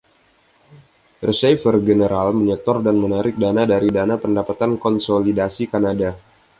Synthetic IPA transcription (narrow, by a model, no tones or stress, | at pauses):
rəsɛfərɡənəɾalməɲət̪ɔrdanmənaɾɪk̚danadaɾidanapəndapat̪ankɔnsolidasikanada